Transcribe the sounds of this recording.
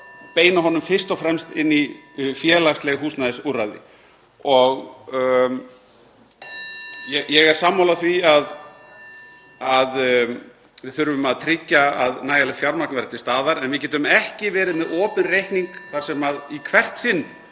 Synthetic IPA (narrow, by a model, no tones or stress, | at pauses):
peːjnaɦɔnːʏmfɪr̥st̪ɔfɾɛmst̪ɪnːifjɛːlast̪lɛɣɦuːsnaðɪsurːajðɪ̰ | ɔɣ | jɛjɛɣɛɾ̥saːmːawlaθviað | að | vɪθʏɾvʏmaðt̪ʰɾɪcːaa̰ðnaːjalɛfjawɾmaknvɛɾɪt̪ɪst̪aːðaɾɛnvɪcɛːt̪ʏmɛhcɪvɛːɾɪðmɛðɔːpʏnrejhkniŋkθaɾ̥sɛmaðikʰvɛr̥t̪sɪnː